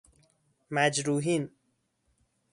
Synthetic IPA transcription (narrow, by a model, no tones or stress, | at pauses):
mad͡ʒɾuːɦin